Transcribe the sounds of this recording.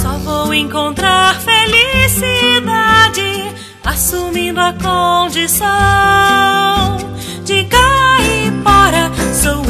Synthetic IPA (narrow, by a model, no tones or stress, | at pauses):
sɔvowẽkõnt̪ɾaɾfelisid̪ad͡ʒɪ | asumĩnd̪ʊɐkõd͡ʒisɐ | d͡ʒɪɡaɪbɔɾɐso